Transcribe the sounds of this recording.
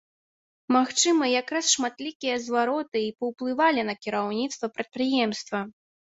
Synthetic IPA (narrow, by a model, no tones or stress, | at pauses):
maxt͡ʂɨmɐjakɾasʂmat̪lʲikʲijɐzvaɾɔt̪ɨipɐwplˠɨvalʲinɐkʲiɾawnʲit̪st̪vɐpɾɐt̪̚pɾɨjɛmst̪vɐ